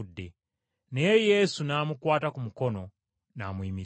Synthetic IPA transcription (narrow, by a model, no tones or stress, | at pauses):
dːe̞ | nejejeːsunaːmukwaːtakumuko̞no̞ | naːmwiːmi